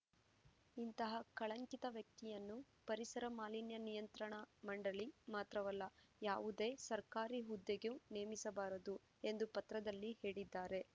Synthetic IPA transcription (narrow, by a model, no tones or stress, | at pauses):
int̪ɐɦɐkɐɭɐŋkit̪ɐʋjɐk̚t̪ijɐnːu | pɐɾisɐɾɐmaːlinjɐnijɐnt̪ɾɐɳɐmɐɳɖɐɭimaːt̪ɾɐʋɐlːɐjaːʋud̪e̞ːsɐɾkaːɾiɦud̪ːeɡeune̞ːmisɐbaːɾɐd̪u | e̞nd̪upɐt̪ɾɐd̪ɐlːihe̞ːɭid̪ːaːɾe̞